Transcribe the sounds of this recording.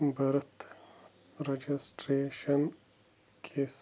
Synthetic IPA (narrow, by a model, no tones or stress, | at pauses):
bɐɾt̪ | ɾed͡ʒisʈɾeːʃɐn | kʰes